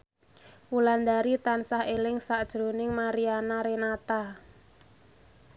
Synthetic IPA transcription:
wuland̪aɾit̪ansahelɪŋsaʔd̥ʒ̥ɾonɪŋmaɾianaɾenat̪a

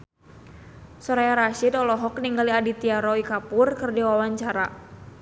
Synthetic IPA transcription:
sɔɾajaɾaʃidɔlɔɦɔk̚niŋɡaliadit̪iaɾɔikapʊrkɨrdiwawaɲt͡ʃaɾa

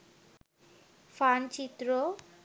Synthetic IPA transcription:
fʰant͡ʃit̪ɾo

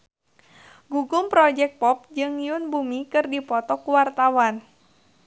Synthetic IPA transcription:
ɡuɡʊmpɾɔd͡ʒɛk̚t̪̚pɔp̚d͡ʒɨŋijʊnbumikɨrdipɔt̪ɔkuwart̪awan

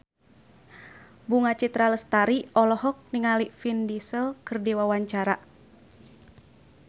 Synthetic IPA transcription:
buŋat͡ʃit̪ɾaləst̪aɾiɔlɔɦɔk̚niŋalifindisəlkərdiwawaɲt͡ʃaɾa

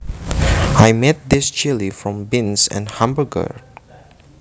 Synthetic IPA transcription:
ajmɛt̚d̪ɪst͡ʃɪlifɹɔ̃mbɪ̃nsɛ̰̃nhãmbəɡə̰

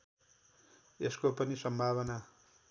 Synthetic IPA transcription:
eskopʌnisʌmbʱaβʌna

